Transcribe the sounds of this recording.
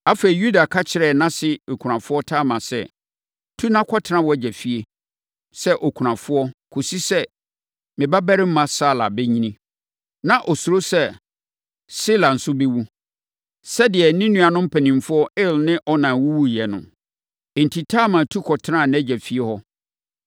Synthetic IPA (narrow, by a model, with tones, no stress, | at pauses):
a˦fe˨i˨ju˦da˨kʰa˦t͡ɕʰɪ˨ɾɛ˨nã˦sɪ˦˨kʰu˨ɾã˨fʊ˦ɔ˦tʰaː˦mã˨sɛ̰˦˨ | tʰu˦nã˦kʰɔ˦tʰɪ˦nã˦wɔ˦d͡ʑɛ˨fi˦e˦ | sɛ˦ʔɔ˨kʰu˨ɾã˨fʊ˦ɔ˦kʰo˨si˦sɛ˦ | mɪ̃˨ba˦bæ˦ɾɪ˦m̩˦mã˦saː˦˨la˨bɛ˦ɲĩ˦nĩ˦ | nã˨ʔɔ˨su˨ɾo˦sɛ˦ | si˦la˨n̩˨sʊ˦be˦wu˦ | sɛ˦dɪ˨ɛ˨nĩ˦nũ˦a˨nʊ̃˦m̩˦pʰæ˨nĩ˨m˨fʊ˦ɔ˦ʔɪ˦lnɪ̃˦ʔɔ˦nã˨wu˦wu˦jɛ˨nʊ̰̃˨ | n̩˨tʰi˨tʰaː˦mã˨tʰu˦kʰɔ˨tʰɪ˦ã˦˨n˦æ˦d͡ʑɛ˨fi˦e˦hɔ˦